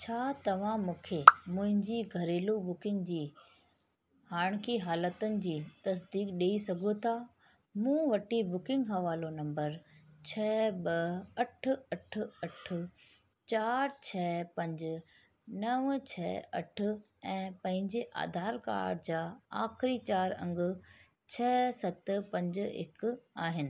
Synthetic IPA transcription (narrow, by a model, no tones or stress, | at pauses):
t͡ɕʰaːt̪ɐʋ̤ãmũːkʰemʊ̃ɦɪ̃ɲd͡ʑiɡʱɐɾeːlobʊkɪ̃ŋɡd͡ʑiː | haːɽ̃kiɦaːlət̪ənɪ̆d͡ʑiːt̪ɐs̬d̪iːkɗeːisɐɡʱot̪ʰaː | mũːʋɐʈibʊkɪ̃ŋɡɦɐʋaːlonɐ̃mbəɾt͡ɕʰɛːɓɐɐʈʰʊ̆ɐʈ̆ʰɐʈ̆ʰ | t͡ɕaːɾt͡ɕʰɛːpɐ̃ɲd͡ʑʊ̆ | nɐʋt͡ɕʰɛːɐ̰ʈʰʊ̆ | ɛ̃ːpɐ̃ɦɪ̃ɲd͡ʑeʔa̰ːd̪ʱaːɾka̰ːɽd͡ʑaːa̰ːxɪɾit͡ɕaːɾɐ̰̃ŋɡʊ̆ | t͡ɕʰɛːsɐt̪pɐ̃ɲd͡ʑɪ̰kaːɦɪnɪ̆